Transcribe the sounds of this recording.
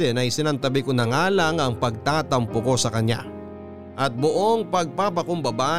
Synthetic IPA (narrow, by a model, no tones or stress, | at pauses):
ɛnɐjsɪnɐnt̪ɐbɪkonɐŋaːlɐŋɐŋpɐɡ̚t̪aːt̪ɐmpʊko̞sɐkɐɲa̰ | ʔɐt̪̚bʊʔoŋpɐɡ̚papɐkʊmbɐba